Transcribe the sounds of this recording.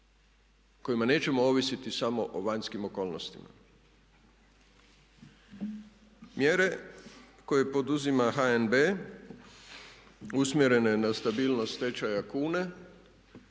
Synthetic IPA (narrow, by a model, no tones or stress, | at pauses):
ko̞jimane̞ːt͡ɕe̞moo̞ʋisit̪isamo̞ʔoʋaɲskimo̞ko̞ːlˠnost̪ima̰ | mjeɾe̞ | ko̞je̞po̞d̪uzimaxaenbeː | usmjeɾe̞ne̞nast̪abiːlnost̪t̪e̞t͡ɕajakuːne̞